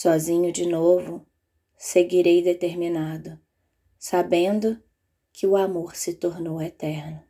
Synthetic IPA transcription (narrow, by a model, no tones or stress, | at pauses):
sɔzĩɲʊd͡ʒɪnovʊ | seɡiɾejd̪et̪eɾmĩnad̪ʊ | sabẽnd̪ʊ | kʰɪʊamoɾsɪt̪oɾnowet̪ɛɾnʊ